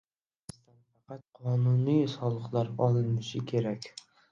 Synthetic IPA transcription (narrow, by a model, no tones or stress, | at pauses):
ɪst̪anfɑqɑt̪̚qʰɒnʊnijsɒlˠɨqlˠaɾɒlˠɪnɪʃɪkʲʰe̞ɾakʲ